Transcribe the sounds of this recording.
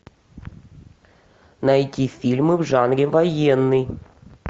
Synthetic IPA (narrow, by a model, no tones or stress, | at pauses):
nɐjtʲifʲilʲmɨvʐanɾʲɪvɐjenːɨj